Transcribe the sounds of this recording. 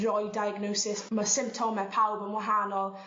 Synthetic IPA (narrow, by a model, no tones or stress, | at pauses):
rɔjdajəɡnowsɪsməsɪ̃mp̚tʰomɛpʰalˠbənwaɦanɔlˠ